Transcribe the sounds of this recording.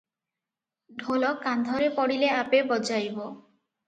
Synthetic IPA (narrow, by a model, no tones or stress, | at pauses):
ɖʱolɔkand̪ʱɔɾepɔɽileapebɔd͡ʒajbɔ